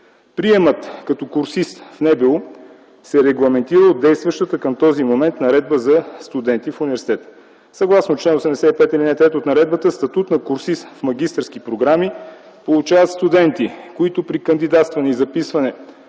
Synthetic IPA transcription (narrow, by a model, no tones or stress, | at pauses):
pɾiɛmət̪kɐt̪ɔkuɾsist̪fnɛbɛlˠo | sɛɾɛɡlˠɐmɛnt̪iɾəod̪ɛjst̪vɐʃt̪ət̪əkəmt̪ɔzimomɛnt̪nɐɾɛd̪̚bəzɐst̪ud̪ɛnt̪ifunivɛɾsi̥t̪ɛt̪ə̥ | sɐɡlˠasnot͡ʃlɛnosɛmd̪ɛsɛipɛt̪ɛlinɛt̪ɛt̪ot̪nɐɾɛd̪̚bət̪əst̪ɐt̪ut̪nɐkuɾsist̪fmɐɡ̟ist̪əɾsk̟ipɾoɡɾami | polˠut͡ʃavɐt̪st̪ud̪ɛnt̪ikoit̪ʊpɾikənd̪id̪at̪st̪vɐnɛizɐpisvɐnɛ